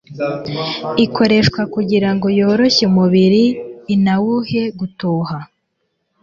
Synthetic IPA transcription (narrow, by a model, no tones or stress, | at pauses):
ikʰo̞ɾe̞ʃkwakuɟiɾaŋɡo̞jo̞ːɾo̞çeumuβiɾiːnawuhe̞ɡutoːɦa